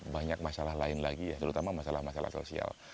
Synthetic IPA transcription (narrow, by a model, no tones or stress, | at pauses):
baɲak̚masalahlaɪnlaɡijat̪əɾut̪amamasalahmasala̰hso̰sia̰l